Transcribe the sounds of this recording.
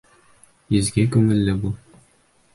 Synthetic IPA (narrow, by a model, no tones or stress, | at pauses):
izɡʲækʉŋɘ̆lːɘbu